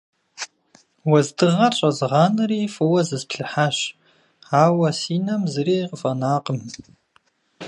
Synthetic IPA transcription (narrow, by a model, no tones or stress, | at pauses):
wɐzdɨʁɐɕʼɐzɨʁɑːnɨriːfɨwɐzɨzpʰɬɨħaɕ | aːwɐsiːnɐmzɨriːqəfɐnaːqʼəm